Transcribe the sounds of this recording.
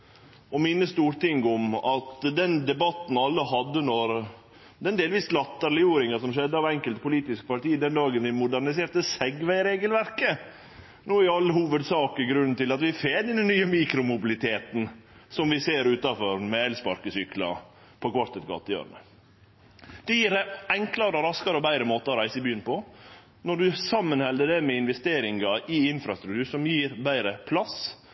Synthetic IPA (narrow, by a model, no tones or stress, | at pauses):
ɔmɪnːəst̪uːɾt̪ɪŋɡɔmɑt̪d̪ɛnd̪ɛbɑt̪n̩ɑlːəhɑd̪ːənɔɾ | d̪ɛnd̪eːlʋiːslɑt̪ːəɾlɪuːɾɪŋɑsɔmʃɛd̪ːəɑːʋɛŋkəlt̪pʰʊliːt̪ɪsk̚pʰɑɾʈ̪iːd̪ɛnd̪ɑːɡənʋɪmʊd̪æɾnɪseːɾt̪əsɛɡʋæɪɾeːɡəlʋæɾkə | noːɪɑlːəhuːʋəd̪sɑːkəɾɡɾʉnn̩t̪ɪlɑt̪ʋɪfeːd̪ɪnd̪ɛnːyːəmiːkɾʊmʊbɪlɪt̪ʰeːt̪n̩sɔmʋɪseːɾʉːt̪ɑfɔɾmɛɛlspɑɾkəsʏklɑ̰ | pʰɔkʰʋɑʈt̪ɛt̪ɡɑ̰ːt̪əjø̰ːɾnə | d̪̥ɛjiːɾɛŋklɑɾəɔɾɑskɑɾəɔbæɪɾəmoːt̪əɔɾæɪsəbyːənpʰɔ | nɔɖʉsɑmːənhɛld̪əd̪ɛmɛɪnʋɛst̪eːɾɪŋɑɪɪnfɾɑst̪ɾʉkt̪ʰʉːɾsɔmjiːɾbæɪɾəpʰlɑs